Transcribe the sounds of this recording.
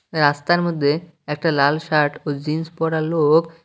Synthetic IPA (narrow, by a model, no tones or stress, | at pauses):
ɾast̪aɾmod̪ʱːe | ɛk̚ʈalalʃaɾʈod͡ʑinspɔɽalok